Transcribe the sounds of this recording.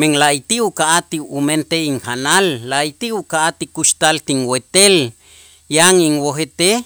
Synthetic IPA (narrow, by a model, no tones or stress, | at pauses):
meŋlajt̪iukaʔat̪iument̪eiŋkanalːajt̪iukaʔat̪ikuʃt̪alt̪iŋwet̪el | jaŋiŋwoɦet̪e